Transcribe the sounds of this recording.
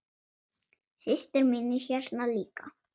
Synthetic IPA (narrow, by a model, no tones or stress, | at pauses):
sɪst̪ɪɾmɪnːɪ̥çɛɾnaliːka̰